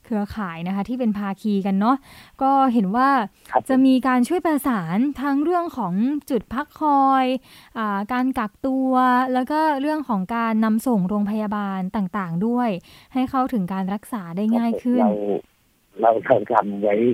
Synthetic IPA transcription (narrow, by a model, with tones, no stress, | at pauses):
kʰɯ˧ɐkʰaː˩˦jna˦˥kʰa˦˥t̪ʰiː˥˩p̬e˧npʰaː˧kʰiː˧ka˧nːɔ˦˥ʔkɔː˥˩ɦe˩˦nwaː˥˩ | t͡ɕa˨˩ʔmiː˧kaː˧nt͡ɕʰu˥˩əjpɾa˧saː˩˦nt̪ʰa˦˥ŋɾɯ˥˩əŋkʰɔː˩˦ŋt͡ɕu˨˩t̪̚pʰa˦˥kʰːɔː˧jʔaː˨˩kaː˧nka˨˩k̚t̪u˧ɐlɛː˦˥wkɔː˥˩ɾɯ˥˩əŋkʰɔː˩˦ŋkaː˧nːa˧mso˨˩ŋɾoː˧ŋpʰa˧jaː˧baː˧nt̪aː˨˩ŋt̪aː˨˩ŋdu˥˩əjha˥˩jkʰa˦˥˩wt̪ʰɯ˩˦ŋkaː˧nɾa˦˥k̚saː˩˦daː˥˩jŋaː˥˩jkʰɯ˥˩n˧w | ɾa˧wtʰa˧˩wta˧mwa˦˥j